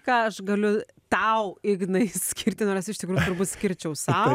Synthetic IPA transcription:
kɑːɐʃɡɐlʲʊ | t̪ɐʊɪɡnɐɪsʲkʲɪɾʲt̪ʲɪnoːɾɐsɪʃt̪ʲɪkɾuːjʊt̪ʊɾbuːt̪sʲkʲɪɾʲt͡ʃʲɛʊsɑː

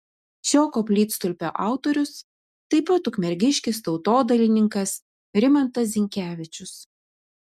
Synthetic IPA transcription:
ʃʲoːkoːpʲlʲiːt̪st̪ʊlʲpʲo̰ːʔɑˑʊt̪oːɾʲʊs | t̪ɐɪpɐt̪ʊkmʲɛɾʲɡʲɪʃʲkʲɪst̪ɒʊt̪oːd̪ɐlʲɪnʲɪŋkɐs | ɾʲɪmɐnt̪ɐs̬ʲzʲɪŋʲkʲæːʋʲɪt͡ʃʲʊs

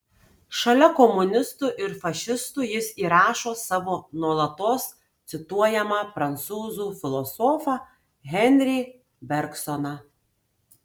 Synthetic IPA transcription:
ʃɐlʲɛkɔmʊnʲɪst̪uːˑʔɪɾfɐʃʲɪst̪uːjɪsiːɾɑːʃoːsɑːʋoːnuɔlˠɐt̪oːs | t̪sʲɪt̪uɔjɛmɐpɾɐnt̪suːzuːfʲɪlˠɔsɔːfɑ | ɣʲɛnʲɾʲi | bʲɛɾksɔnɑ

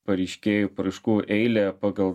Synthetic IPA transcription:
pɐɾʲɛɪʃʲkʲeːjuːpɾɐɪʃkuːʔɛɪlʲɛpɑːɡɐlˠ

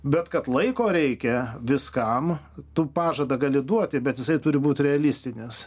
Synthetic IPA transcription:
bʲɛt̪kɐt̪lˠɐɪkoːɾʲɛɪkʲɛʋʲɪskɐm | t̪upɑːʒɐd̪ɐɡɑːlʲɪd̪uɔt̪ʲɪbʲɛt̪jɪsɐɪt̪ʊɾʲɪbuːt̪ʲɾʲɛɐlʲɪsʲt̪ʲɪnʲɪs

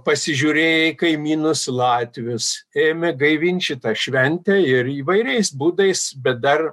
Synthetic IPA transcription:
pɐsʲɪʒʲuːɾʲeːjɛɪkɐɪmʲiːnʊslˠɑːt̪ʲʋʲʊseːmʲɛɡɐɪʋʲɪnʲʃʲɪt̪ɑʃʲʋʲɛnʲt̪ʲɛɪɾiːʋɐɪɾʲɛɪsbuːd̪ɐɪsbʲɛt̪̚d̪ɐr

